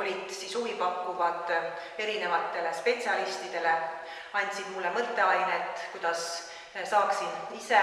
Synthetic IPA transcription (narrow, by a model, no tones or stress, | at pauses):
olʲid̪̥sisuvipɑkːuvɑd̪ | e̞ɾine̞vɑt̪ːˑe̞le̞spe̞t̪siɑlist̪id̪̥e̞le̞ | ɑnʲt̪ʲsid̪mulːe̞mɤt̪ːˑe̞ɑjnet̪ːˑkujd̪̥ɑs | sɑːksinise̞